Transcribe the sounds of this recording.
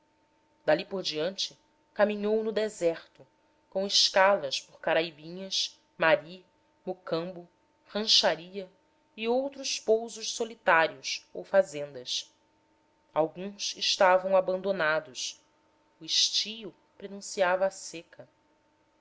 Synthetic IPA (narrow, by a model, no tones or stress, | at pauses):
d̪alipoɾd͡ʒiɐ̃nt͡ʃɪ | kamĩɲownʊd̪ezɛχt̪ʊ | kõw̃ɪʃkalɐʃpʊχkaɾaibĩɲɐs | maɾi | mokɐ̃mbʊ | hɐ̃ʃaɾiɐ | iowt̪ɾʊʃpowzʊʃsolit̪aɾiʊsowfazẽnd̪ɐs | awɡũsɪʃt̪avɐ̃w̃abɐ̃nd̪onad̪ʊʃ | uiʃt͡ʃijʊ | pɾenũsiavɐːsekɐ